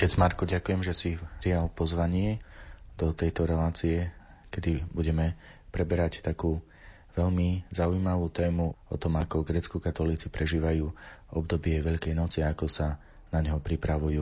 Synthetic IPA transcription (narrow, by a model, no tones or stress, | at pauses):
ɔcɛd͡zmaɾkuɟakujɛmʒɛsipɾijalpɔzʋaɲɪɛd̪̥ɔt̪ɛjt̪ɔɾɛlaːt͡siɛ | kɛd̪ibuɟɛmɛ | pɾɛbɛɾact̪akuː | ʋɛʎmizaujmaʋuːt̪ɛːmuɔt̪ɔmakɔɡɾɛt͡skukat̪ɔliːt͡sipɾɛʒiːʋajuːɔb̚d̪ɔbɪɛʋɛʎkɛjnɔt͡siaakɔsa | naɲɦɔpɾipɾaʋujuː